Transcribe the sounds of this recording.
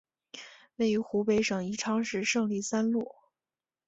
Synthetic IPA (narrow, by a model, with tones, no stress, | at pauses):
we˥˩ɪy˧˥xu˧˥pe˧˥ɪʂɤ˨˩ŋi˧˥ʈ͡ʂʰɑ˥ŋʂɻ̩˥˧ʂɤ˥˧ŋli˥˩sa˥nlu˥˩